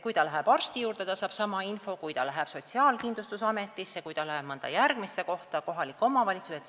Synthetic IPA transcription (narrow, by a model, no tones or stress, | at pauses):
kujt̪ɑlæɦeb̥ɑrst̪ijuːɾt̪et̪ɑsɑːb̥sɑmɑinfo̞kujt̪ɑ̰læɦɛb̥so̞t̪ʲsiɑːlkind̪lust̪usɑme̞t̪ːˑisjɑkujt̪ɑlæheb̥mɤnd̪̥ɑ̰jærɡ̥misːeko̞htt̪ɑko̞ɦɑlikːˑo̞mɑvɑlʲit̪suse